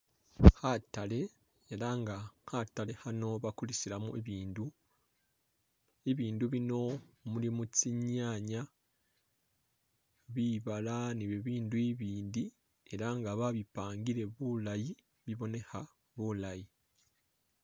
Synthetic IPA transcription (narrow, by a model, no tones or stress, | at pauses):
hatale̞ | eɾaŋɡahatale̞hano̞βakulisiɾamuʔeβiːndu | eβiːnduβino̞mulimut͡siɲaːɲa | βiβalaniβeβiːnduiβiːndi | e̞ɾaŋɡaβaβipaːŋɡiɾe̞βulaji | βiβo̞ne̞ha | βulaji